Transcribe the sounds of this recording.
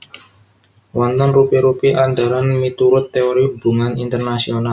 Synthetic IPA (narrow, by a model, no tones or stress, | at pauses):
wɔnt̪ɔnrupiɾupiʔand̪aɾanmit̪uɾʊt̪ːeoɾib̥uŋanint̪ərnasional